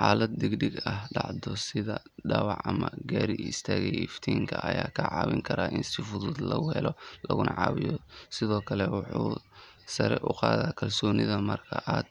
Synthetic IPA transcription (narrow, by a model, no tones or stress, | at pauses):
ħaːlɐd̪̚ːɪɡɖɪɡɐɦɖɑʕd̪ɔsɪðɐ | ɖɑwɑʕɐmɐɡaːɾiɪst̪ʰaːɣɛjɪft̪ʰiːŋkʰɐʔɐjaːkʰɐʕɑːwɪŋkʰɐɾaːʔɪnsɪfʊðʊd̪lɐɣʊhɛlɔlɐɣʊnʔɑʕɑːwɪjɔsɪðɔːkʰɐlɛwʊħuː | sɐɾɛʔʊqɑːðaːkʰɐlsɔːnɪðɐmɐrkʰɐʔaːd̪̚